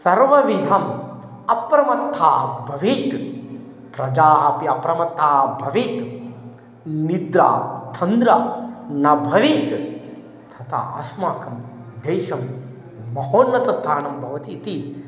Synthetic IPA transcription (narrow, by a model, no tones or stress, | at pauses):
sɐɾʋɐʋid̪ʱɐm | ɐpɾɐmɐt̪ʰːaːbʱɐʋiːt̪ | pɾɐd͡ʒaːɦɐpiɐpɾɐmɐt̪ːaːbʱɐʋiːt̪ | nid̪ɾa̰ːt̪ʰɐnd̪ɾaːnɐbʱɐʋiːt̪ | t̪ʰɐt̪ʰa̰ɐ̰smaːkʰɐmd̪eːjʃɐmː | ɐɦoːnːɐt̪ɐst̪ʰaːnɐmbʱɐʋɐt̪iːt̪i